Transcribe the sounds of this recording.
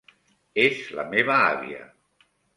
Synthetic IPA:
ezla̰meβ̞aa̰βḭə̰

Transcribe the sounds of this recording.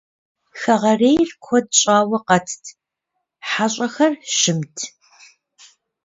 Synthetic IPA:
xɐʁɐreːjrkʷʰɔd̚ɕʼaːwɐqɐtʰtʰ | ħaɕʼɐxɐrʃɪmtʰ

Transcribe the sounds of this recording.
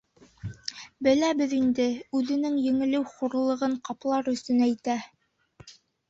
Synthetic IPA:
bɘ̆læbɘðind̪ɘʉðɘ̆nɘŋjɘ̆ŋɘ̆lɘwχuɾlˠɤ̆ʁɤɴqɑplˠɑɾɵ̆st̪ɵnæjt̪æ

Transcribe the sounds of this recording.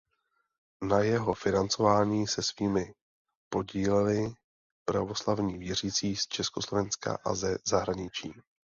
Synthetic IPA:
najɛɦo̞fɪnant͡so̞vaːɲiːsɛsviːmɪ | po̞ɟiːlɛlɪ | pɾa̰vo̞slavɲiːvjɛr̝iːt͡siːst͡ʃɛskoslo̞vɛnska̰ʔa̰zɛzaɦɾaɲɪt͡ʃiː

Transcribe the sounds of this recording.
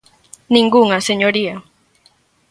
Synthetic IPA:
nĩŋɡuŋaseɲoɾia

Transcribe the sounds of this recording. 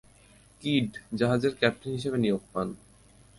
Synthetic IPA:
kiɖd͡ʑaɦad͡ʑeɾkɛp̚ʈinɦiʃ̬ebenijoɡ̚pan

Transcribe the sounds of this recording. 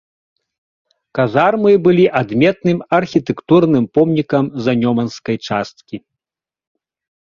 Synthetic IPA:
kazarmɨbɨlʲiʔad̪mʲɛt̪nɨmɐrxʲit̪ɛkt̪urnɨmpɔmnʲikɐmzɐnʲɔmɐnskɐjt͡ʂast̪̚kʲi

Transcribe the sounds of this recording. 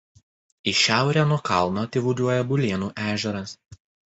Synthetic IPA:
ɪʃʲæˑʊɾʲæːnuɔkɑˑlˠnoːt̪ʲɪʋʊd̪ʲuɔjɛbʊlʲeːnuːʔæːʒʲɛɾɐs

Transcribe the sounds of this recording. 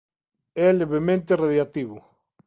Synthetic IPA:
ɛleβemẽnt̪eraðjat̪iβʊ

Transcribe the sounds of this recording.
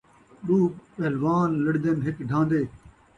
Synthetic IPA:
ɗuːɓeːlʋaːnləɽd̪enɦɪkɖʱãːnd̪eː

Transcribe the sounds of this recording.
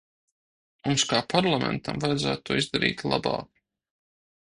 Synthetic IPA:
mumskaːpaɾlˠamɛ̰nt̪amvajd̪zæ̰ːt̪̚t̪ːuɔizd̪aɾḭːt̪lˠa̰ba̰ː

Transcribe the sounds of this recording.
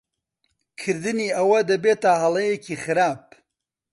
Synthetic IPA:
kʰɨɾd̪ɨniːɐwɐd̪ɐbet̪ahɐlˠɐjekiːxɨɾaːp̚

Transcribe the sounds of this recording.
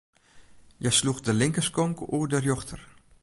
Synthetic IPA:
jɛjsluxdəlɪŋkəskɔŋkuədərjoxtʰər

